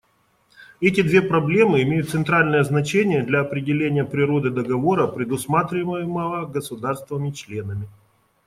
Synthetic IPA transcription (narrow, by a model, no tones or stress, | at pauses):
ɛtʲɪd̪vʲe̞pɾɐblʲe̞mɨɪmʲejʊt̪t̪sɨnt̪ɾalʲnəjəznɐt͡ɕenʲɪjəd̪lʲɐɐpɾʲɪdʲɪlʲenʲɪjəpɾʲɪɾo̞d̪ɨd̪əɡɐvo̞ɾəpɾʲɪd̪ʊsmat̪ɾʲɪməjɪməvəɡəsʊd̪arst̪vɪvəmʲɪt͡ɕlʲenəmʲɪ